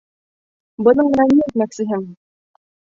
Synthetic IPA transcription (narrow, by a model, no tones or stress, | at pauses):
bɤ̆nɤɴmɘ̆næmiɘt̪mæksɘ̆ɦɘŋ